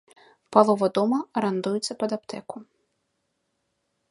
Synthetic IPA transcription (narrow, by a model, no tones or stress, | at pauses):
palˠɔʋɐd̪ɔmɐɾɐnd̪ujʊt͡sʲːɐpɐd̪ɐpt̪ʰɛkʊ